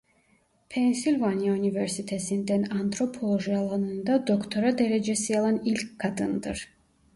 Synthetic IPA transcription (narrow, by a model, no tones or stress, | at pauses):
pʰɛnsilʲvaniaunivɛɾsit̪ʰɛsind̪ɛnant̪ʰɾɔpʰɔlˠɔʒialˠanund̪ad̪ɔkʰt̪ʰɔɾad̪ɛɾɛd͡ʒɛsialˠanilkɡ̥ad̪ɯnd̪ɨ̰ɾ